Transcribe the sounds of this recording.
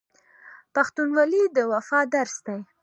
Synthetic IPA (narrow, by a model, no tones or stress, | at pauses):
paxt̪unwɑlid̪əwafɑd̪aɾsd̪aj